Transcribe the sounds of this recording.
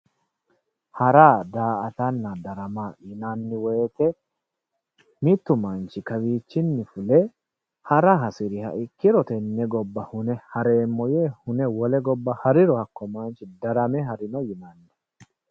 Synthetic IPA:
hɐɾaːd̪aːʔɐt̪ɐnːɐd̪ɐɾɐmajɪnanːɪweːt̪ɛ | mɪt̪ːʊmant͡ʃɪkɐwiːt͡ʃːɪnːɪfʊlɛ | hɐɾɐɦɐsɪɾɪhɐ̰ʔɪkːɪɾɔt̪ɛnːɛɡɔbːɐhʊnɛhɐɾeːmːɔjeːhʊnɛwɔlɛɡɔbːɐhɐɾɪɾɔhɐkːɔmant͡ʃɪd̪ɐɾɐmɛɦɐɾɪnɔjɪnɐnːɛ̥

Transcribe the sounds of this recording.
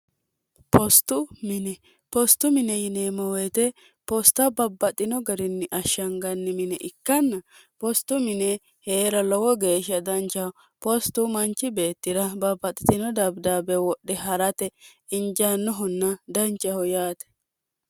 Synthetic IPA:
pʰɔst̪ʊmɪnɛ | pɔst̪ːʊmɪnɛjɪneːmɔwet̪ɛ | pɔst̪ːɐbɐbːɐt̪ʼɪnɔɡɐɾɪnːɪʔɐʃɐŋɡɐnːɪmɪnɛʔɪkːɐnːɐ | pɔst̪ːʊmɪnɛ | heːɾɐlɔwɔɡe̞ːʃɐd̪ɐnt͡ʃːɐh | pɔst̪ːʊmɐnt͡ʃːɪbe̞ːt̪ːɪɾɐbɐbːɐt̪ʼɪt̪ɪnɔd̪ɐbd̪aːbɛwɔɗːɛɦɐɾɐt̪ɛ | ɪnd͡ʒanːɔɦʊnːɐd̪ɐnt͡ʃʼːɐhɔjaːt̪ɛ̥

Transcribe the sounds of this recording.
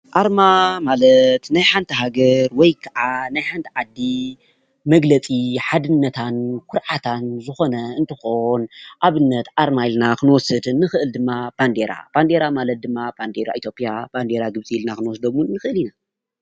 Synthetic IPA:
ʔaɾmamalɐt̪najħant̪ʰɐɦaɡɐɾwɔjkʰɐʔanajħant̪ʰiʕad̪ːi | mɐɡlɐt͡sʼiħad̪ɨnːɐt̪ʰankʷʰʊɾʕat̪ʰanzɨxo̞nɐɨnt̪ʰɨxonʔaβɨnːɐt̪ʔaɾmailnakɨnwɔsɨd̪nɨxɨʔɨld̪ɨmːab̥and̪eɾa̰b̥and̪e̞ɾamalɐt̪̚d̪ɨmːab̥and̪eɾa̰ʔit̪ʰjo̞pʼjaband̪eɾaɡɨβt͡sʼiilnakɨnwɔsd̪omunnːɨxɨʔɨlina

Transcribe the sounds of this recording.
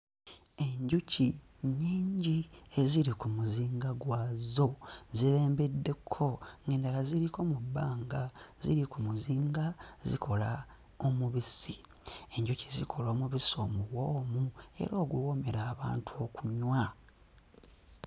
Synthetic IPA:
e̞ɲɟuci | ɲiːɲɟie̞ziɾikumuziːŋɡaɡwaːzo̞ziβe̞ːmbedːe̞kʰːo̞ŋɡe̞ːndalaziɾiko̞mubːaːŋɡazḭɾikumuziːŋɡazḭkʰo̞la | omuβisi | e̞ɲɟucizikʰo̞lo̞ːmuβiso̞ːmuwo̞ːmue̞̰ɾo̞ːɡuwo̞me̞ɾaːβaːntuo̞kuɲwa

